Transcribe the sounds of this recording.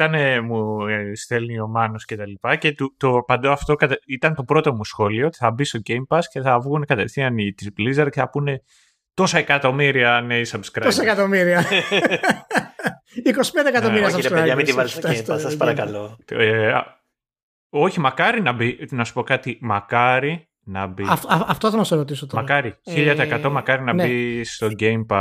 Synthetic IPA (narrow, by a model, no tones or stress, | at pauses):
t̪ɐnemust̪e̞lnio̞mɐnosce̞t̪ɐlipɐce̞t̪ut̪opɐnd̪oɐft̪o̞kɐt̪it̪ɐnt̪o̞pɾo̞t̪o̞musxo̞lio̞t̪i̥θɐbist̪o̞ɟejmpɐsce̞θɐvɣune̞kɐt̪e̞θiɐnit̪izblizeɾceθɐpune̞ | t̪o̞sɐekɐt̪o̞miɾiɐneisɐbskɾosɐekɐt̪omiɾiɐ | iko̞si̥pend̪ekɐt̪oiɾiɐsɐeɐmit̪ivɐsoet̪ɐssɐspɐɾɐkɐloe | o̞çimɐkɐɾinɐbinɐsu̥po̞kɐt̪imɐkɐɾi | nɐbifɐft̪oθɐmɐst̪oɾot̪̬isot̪omɐɾɐkɐɾiçiʎɐt̪ɐeːkɐt̪o̞mɐkɐɾinɐnbist̪o̞ɟejmpɐs